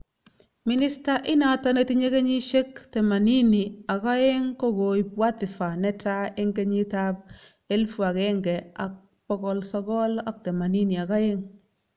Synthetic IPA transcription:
mi˨ni˦sta˦ʔɪ˦na˨tɔ˦ne˨˦ti˦ɲe˦ke˦ɲi˦ʃe˦kte˨ma˨ni˦ni˨a˨ka˦e˦ŋko˦ɡo˨jpwa˦t̪ɪ˨fa˨nɛ˦ta˦e˦ŋɡe˦ɲi˦ta˦p | e˦lfu˨a˨keŋɡɛ˨a̰˨k̚ | pɔ˦kɔ˦lsɔ˦kɔ˦la˦k̚tɛ˨ma˨ni˦ni˨a˨ka˦e˦ŋ

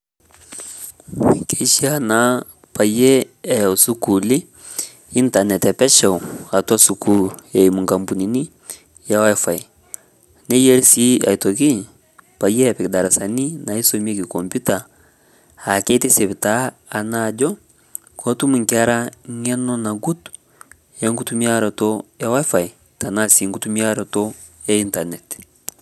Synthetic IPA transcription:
ke˨˦ʃi˦a˨na˨˦ | pa˨je˦ɛ˨u˨su˦ku˨lɪ˦ | i˦nta˨nɛ˨tɛ˨pɛ˦ʃɛ˨wa˨ta˦su˨ku˦e˨imu˨ŋka˨mpu˨ni˨ni˦ | ja˦wfa˨j | nɛ˦je˦ɾsi˦a̰˨jtɔ˨ki˦ | pa˨je˦a˨pɛ˨kda˨ɾa˨sani˦na˨i˦somi˦ekiko˨mputa | a˨ke˦te˦se˨βi˨taː˨nad͡ʒɔ˦ | kɔ˦tu˦mu˨ŋkia˦ɾa˦ŋɛ˦nɔ˦na˨ɡu˦tu̥ | e˦ŋɡu˦tumi˦a˦ɾotoja˦wa˦fa˨i | ta˨na˦si˨ŋɡutu˦mi˦aɾɔtɔ | e˦i˦ntanet

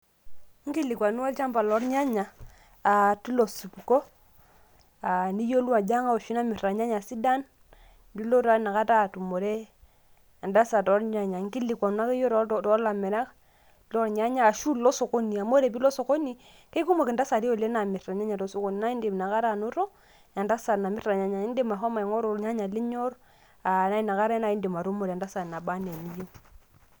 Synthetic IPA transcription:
ŋ˦ɡi˦li˨kwa˨nu˦wa˦lt͡ʃa˦mba˨lɔ˨˦ɾɲa˦ɲaː˨ | tu˦lo˨su˨pko˦ | a˨ni˦jo˦lu˦a˨d͡ʒa˦ŋa˦o˨ʃi˦na˦mi˨ɾɾa˨ɲa˦ɲa˨si˦da˦n | du˦lo˦ta˨˦na˨ka˦ta˦˨tu˨mo˨ɾe˦ | a˨nda˦sa˨tɔ˨˦ɾɲa˦ɲa˨ŋ˦ɡi˦li˨kwa˨nu˦a˦ke˦jo˦ɾtɔ˦la˨mɛ˨ɾa˦k | lːɾɲa˦ɲaː˦˨ʃu˦lɔ˦so˨ko˦ni˨a˨mo˦ɾe˨bi˦lɔ˦so˨ko˦ni˨ | ke˦ku˦ma˨ki˨nda˦sa˨ɾi˦o˨le˦na˨mi˨ɾa˨ɲa˦ɲa˨to˨˦so˦ko˦ni˨na˦i˦nde˨m˨na˨ka˦ɾa˦˨nu˦ɾo˦ | ja˨nda˦sa˨na˨mi˦ɾa˨ɲa˦ɲa˨i˦nde˦ma˨ɦo˦ma˨i˨ŋo˦ɾo˨ɲa˦ɲa˨li˦ɲo˦ɾ | a˨na˦i˦na˨ka˦ɾe˦na˦i˦nde˨ma˨ɾu˦mo˨ɾnda˦sa˨na˨ba˦ne˨ni˦je˦

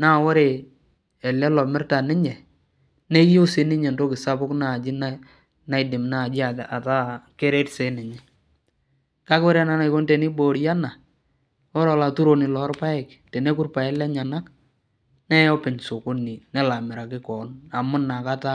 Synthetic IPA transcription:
na˦˨wɔ˦ɾe˨ | ɛ˨lɛ˦lɔ˨mɪ˦rta˨nɪ˦ɲɛ˨ | ne˦jʊ˦sɪ˦nɪ˦ɲɛ˨ndo˦kɪ˨sa˦bʊ˦kna˦˨d͡ʒɪ˦na | na˦ɪ˨dɪ˨mna˦˨d͡ʒɪ˦a˨a˨ta˦ke˦ɾe˦tse˨˦nɪ˨ɲɛ˦ | ka˦kwɔ˦ɾe˦a˨na˦na˨ɪ˦ko˦ntɛ˨nɪ˦bo˨ɾja˦na˨ | ɔ˦ɾɔ˨la˨tu˦ɾo˨nɪ˨lɔ˨˦ɾpa˦ɛ˨k | te˨ne˦kʊ˦rpa˨ɛ˦lɛ˦ɲa˨na˦k | nɛ˦jɔ˦pɪ˨ɲsʊ˨kʊ˦ni˨nɛ˦la˨mɪ˨ɾa˨kɪ˦kɔ˨na˨mʊ˦na˨ka˦ta˦

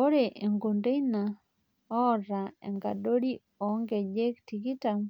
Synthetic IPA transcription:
o˦ɾe˨ʔe˨ŋɡo˨nde˦ina˨ | ɔ˦ɾa˨ḛ˨ŋɡa˨do˦ɾi˦ | ɔ˨˦ŋɡe˨d͡ʒe˦kti˨ɡi˦ta˨m

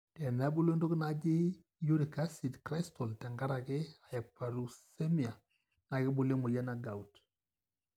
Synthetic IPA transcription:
tɛ˨na˨˦bu˦lo˦ndo˦ɡna˨d͡ʒɪ˦ | ju˦ɾi˨ka˦si˨tkɾa˦stɔ˨ltɛ˨ŋɡa˦ɾa˨ɡɪ˦a˨jɛ˨k̚pa˨ɾu˨sɛ˦mi˨a˨ | na˨ɡɪ˦bu˨le˦mu˨la˦na˨ɡa˨u˨t

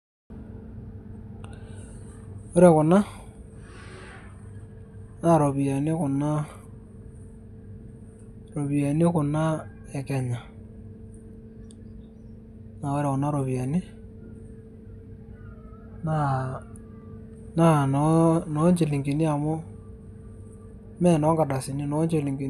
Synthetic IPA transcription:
o˦ɾɛ˨kʊ˨na˦ | na˨ɾo˨βi˨a˨nɪ˦kʊ˨na˦ | ro˨βi˨a˨nɪ˦kʊ˨na˦ | ɛ˨kɛ˨ɲa˨ | na˨ɔ˦ɾɛ˨kʊ˨na˦ɾo˨βi˨a˨nɪ˦ | na˦˨ | na˦nnɔ˨˦ɲt͡ʃe˨li˨ŋɡi˨ni˦a˨mʊ˦ | mɛ˦nɔ˨˦ŋɡa˨ɗa˨sɪ˨ni˦nɔ˨˦ɲt͡ʃe˨li˨ŋɡi˨

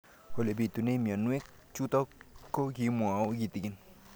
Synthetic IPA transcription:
ho˨le˨bi˨t̪u˨ne˦mi˨a˨nu˦e˦k | t͡ʃu˦t̪ɔ˦ko˦ki˨˦mu˨a˨o˦ɡi˨t̪i˨ki˦n

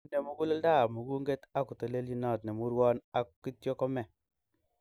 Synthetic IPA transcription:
ne˨mu˨˦ɡu˦le˦lda˦˨mu˨ɡu˦ŋɡe˦ta˦ku˨to˨le˦lji˦nɔ˨tne˨mu˦ɾwɔ˦na˦kːi˦tjɔ˦kɔ˦mɛ˨

